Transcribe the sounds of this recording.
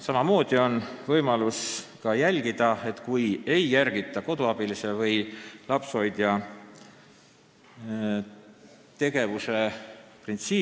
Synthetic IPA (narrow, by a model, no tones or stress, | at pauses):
sɑmɑmo̞ːd̪̥io̞nvɤjmɑluskɑjælʲɡ̥id̪̥ɑe̞t̪kuje̞jːærɡ̥it̪ˑːɑko̞d̪uɑb̥ilise̞vɤjlɑpso̞jd̪̥jɑ | t̪e̞ɡ̥e̞vuse̞print̪siː